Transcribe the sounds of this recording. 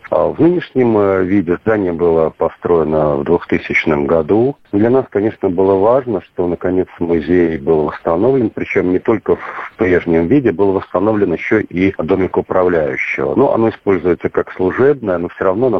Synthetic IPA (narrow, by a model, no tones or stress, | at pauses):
a̰vnɨnʲɪʂnʲɪmvʲidʲɪzd̪anʲɪjəbɨlˠəpɐst̪ɾo̞ɪnəvd̪vʊxt̪ɨsʲɪt͡ɕnəmɡɐd̪ud̪lʲanaskɐnʲe̞ʂnəbɨlˠəvaʐnəʂt̪o̞nəkɐnʲe̞t̪smʊzʲejbɨlˠvəst̪ɐno̞vlʲɪnpɾʲɪt͡ɕo̞mnʲɪt̪o̞lʲkəfpɾʲe̞ʐnʲɪmvʲidʲɪbɨlˠvəst̪ɐno̞vlʲɪnjɪɕːoʔid̪o̞mʲɪkəʊpɾɐvlʲæjʉ̰ɕːɪ̰və̰nuʔɐ̰no̞ɪspo̞lʲzʊjɪt̪səkakslˠʊʐɛbnəjənofsʲoɾɐvnonɐ